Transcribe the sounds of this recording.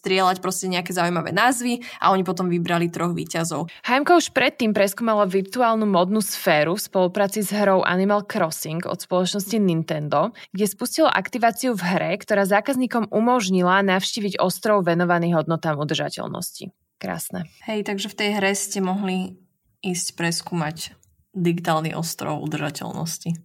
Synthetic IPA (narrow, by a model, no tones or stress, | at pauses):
st̪ɾɪɛlacpɾɔscɛɲɛakɛzauimaʋɛ̰ːnaːzʋiʔa̰ɔɲipɔt̪̬ɔmʋibɾalit̪ɾɔɣʋḭːcazɔʊhajmkɔuʃpɾɛt̪ːiːmpɾɛskuːmalaʋiɾt̪uaːlnumɔd̪nusfɛːɾufspɔlupɾaːt͡sizɦɾɔʊʔa̰nimalkɾɔsiŋɡɔ̰t̪spɔlɔt͡ʃnɔscinint̪ɛnd̪ɔɡ̥ɟɛspuscilɔ̰ʔakt̪iʋaːt͡siuvɦɾɛkt̪ɔɾaːzaːkazɲiːkɔmumɔʒɲilanafʊʃciːʋiɟɔst̪ɾɔʊʋɛnɔʋaniːɣɦɔd̪nɔt̪aːmud̪r̩ʒa̰cɛ̰lnɔ̰scḭ | kɾa̰ːsnɛhɛjt̪aɡʒɛft̪ɛjɦɾɛscɛmɔɦli | iːscpɾɛskuːmac | d̪iɡit̪aːlnḭʔɔ̰st̪ɾɔ̰ʊṵd̪r̩ʒacɛ̰lnɔ̰sci